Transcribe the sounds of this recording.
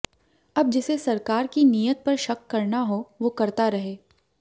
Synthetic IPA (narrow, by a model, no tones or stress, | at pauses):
ɐb̚d͡ʒɪsesɐɾkaːɾkinijət̪̚pɐɾʃɐkːɐɾnaɦoʋoːkɐɾt̪aɾɐɦeː